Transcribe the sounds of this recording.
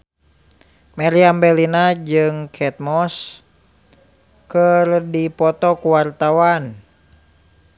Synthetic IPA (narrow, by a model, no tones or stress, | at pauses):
mɛɾiambɛlinad͡ʒɨŋkʰɛt̪̚mɔs | kərdipɔt̪ɔkuwart̪awan